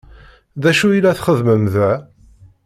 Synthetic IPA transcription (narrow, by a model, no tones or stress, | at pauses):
ðæʃuilæθχəðməmðæ